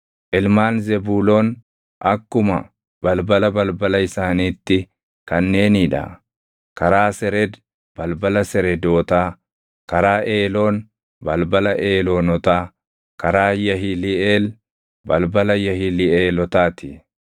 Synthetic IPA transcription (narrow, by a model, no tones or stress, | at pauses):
ʔɪlmaːnzɛbuːloːn | ʔɐkːʊmɐ̰ | b̥ɐlbɐlɐbɐlbɐlɐɪsaːniːt̪ːɪ | kɐnːe̞ːniᶑɐ̰ | kɐɾaːsɛɾɛd̪ | b̥ɐlbɐlɐsɛɾɛd̪o̞ːt̪aː | kɐɾaːʔeːlo̞ːn | bɐlbɐlɐʔeːloːnɔt̪aː | kɐɾaːjɐɦilɪeːl | bɐlbɐlɐjɐhɪlɪeːlɔt̪aːt̪ɪ